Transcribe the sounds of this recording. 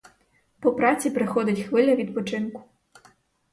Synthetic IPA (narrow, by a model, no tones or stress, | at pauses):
pɔpɾat͡sʲipɾɪxɔd̪ʲɐt͡sʲxʋɪlʲɐʋʲid̪̚pɔt͡ʂɪnku̥